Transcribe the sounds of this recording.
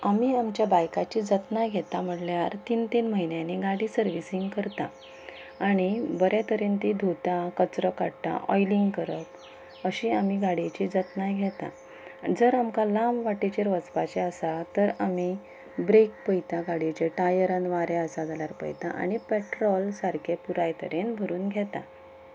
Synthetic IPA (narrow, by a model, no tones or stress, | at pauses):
amiːamt͡ɕjabajkat͡ɕid͡zət̪najɡʱɛt̪am̤əʈljaɾt̪iːnt̪inməɦinjanːiɡaɽiːsəɾʋisiŋɡkəɾt̪a | aɽ̃ibəɾjat̪əɾiːnt̪id̪ʱut̪akət͡sɾəkaɽt̪a̰ʔɔ̰jliŋɡkəɾət̪ | əɕiamiɡaɽ̤it͡ɕid͡zət̪najɡʱɛt̪a̰ | d͡zəɾamkalãmʋaʈet͡ɕeɾʋət͡spat͡ɕeəsat̪əɾami | bɾek̚pəjt̪aɡaɽit͡ɕeʈajəɾənʋaɾeəsad͡zalaɾpə̰jt̪aʔa̰ɽ̃ipɛʈɾɔlsaɾkʰepuɾajt̪əɾenbʱəɾuːnɡʱjɛt̪a̰